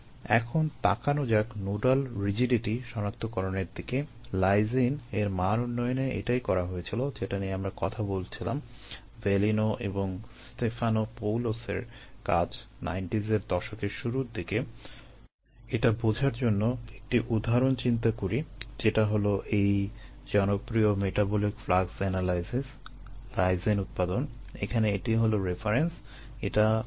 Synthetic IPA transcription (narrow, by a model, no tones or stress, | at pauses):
ɛ̰kʰont̪akanod͡ʑaknoɖalɾid͡ʑiɖiʈiʃɔnak̚t̪okɔɾoneɾd̪ike | lajzineɾmaɾunːɔjoneʔḛʈajkɔɾaɦojet͡ɕʰilod͡ʑeʈanieamɾakɔt̪ʰabolt͡ɕʰila̰m | velinoʔeboŋst̪efʰanopowlosḛɾkad͡ʑ | na̰jɳʈizeɾd̪ɔʃokeʃuɾuɾd̪ike | eʈabod͡ʑʱaɾd͡ʑonːoek̚ʈiʔud̪ʱːaɾont͡ɕint̪akoɾid͡ʑeʈaɦoloʔej | d͡ʑɔnopɾiomeʈabɔlikflaɡsɛnalajsis | ɾajzenut̪̚pad̪onḛkʰaneeʈiɦoloɾefaɾens | eʈa